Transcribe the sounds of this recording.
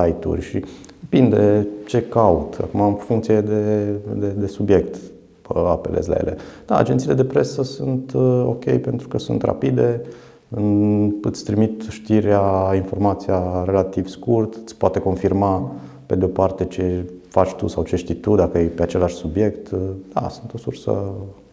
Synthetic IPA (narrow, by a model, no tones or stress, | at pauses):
sajt̪ṵrʲʃipind̪et͡ʃe̞kaut̪a̰kumamfuŋkt̪sijed̪e̞d̪ed̪e̞subje̞kt̪ | a̰pe̞let̪sʲla̰jḛle̞̰d̪̥a̰a̰d͡ʒent̪siled̪epɾe̞səsunt̪o̞kʲe̞̰jpe̞nt̪ɾukəsunt̪ra̰pid̪e̞ | ɨnɨt̪sʲt̪ɾimit̪ʃt̪iɾeainfo̞rmat̪sijare̞lat̪ivskurt̪ɨt̪sʲpoat̪e̞ko̞nfirma | pe̞d̪eo̞part̪e̞t͡ʃe̞fat͡ʃʲt̪ṵsawt͡ʃe̞ʃt̪it̪ud̪akəjejpeat͡ʃe̞laʃʲsubje̞kt̪d̪̥a̰sunt̪o̞sursə̰